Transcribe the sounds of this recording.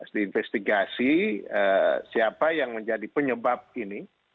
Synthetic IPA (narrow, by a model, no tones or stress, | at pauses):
əst̪iːnfɛst̪iɡasiəsiapajaŋməɲd͡ʒadipəɲəbap̚ini